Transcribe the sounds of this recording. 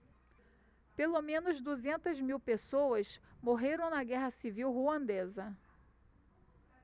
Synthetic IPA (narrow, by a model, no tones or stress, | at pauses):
pelomẽnʊzd̪uzẽnt̪ɐzmiwpesowɐsmoɦeɾɐ̃w̃nɐɡɛɦɐsiviwɦuɐ̃nd̪ezɐ